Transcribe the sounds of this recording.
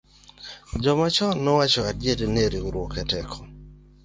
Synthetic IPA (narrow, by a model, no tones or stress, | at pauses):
d͡ʒɔmat͡ʃɔnɔwat͡ʃɔadjedeneɾiuɾwokɛtɛkʰɔ̥